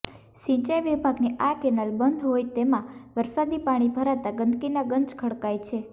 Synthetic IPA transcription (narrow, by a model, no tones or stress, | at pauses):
ʃĩɲt͡ʃajʋibʱaɡniʔakɛnalbənd̪ɦojt̪emãʋəɾsad̪ipaɽ̃ibʱəɾat̪aɡənd̪kinaɡəɲt͡ʃkʰəɽkajt͡ʃʰe